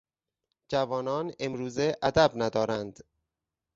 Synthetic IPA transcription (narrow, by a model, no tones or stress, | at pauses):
d͡ʒævɒːnɒːnemɾuːzeʔæd̪æbnæd̪ɒːɾænd̪